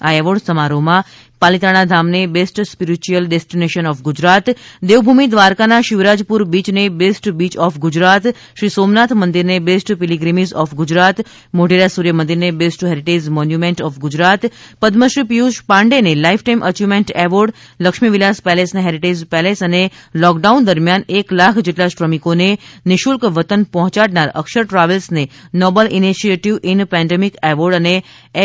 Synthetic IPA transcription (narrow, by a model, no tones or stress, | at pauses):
aeʋəɖsəmaɾomã | palit̪aɽ̃ad̪ʱamnebesʈspiɾit͡ʃuəlɖesʈineʃənɔːfɡʊd͡ʒɾat̪d̪eʋbʱumid̪ʋaɾkanaʃɪʋɾad͡ʒpuɾbit͡ʃnebesʈbit͡ʃɔfɡʊd͡ʒɾat̪ | ʃɾisomnat̪ʰmənd̪iɾnebesʈpiliɡɾimizɔfɡʊd͡ʒɾat̪ | moɖiɾasuɾjəmənd̪iɾnebesʈɦeɾiʈed͡ʒmɔnjumẽɳʈɔːfɡʊd͡ʒɾat̪pəd̪məʃɾipijuʃpãɳɖenelaifʰʈaimʔət͡ʃumeɳʈeʋəɾɖ | ləkʃmiʋilaspɛlesneɦeɾiʈed͡ʒpɛlesənelɔk̚ɖaund̪əɾmjaneklakʰd͡ʒeʈlaʃɾəmikoneniʃulkʋət̪ənpɔɦɔ̃t͡ʃaɽnaɾə̰kʃəɾʈɾaʋəlsnenɔbəliniʃieʈiʋʔinpɛ̃ɳɖemikeʋəɾɖəne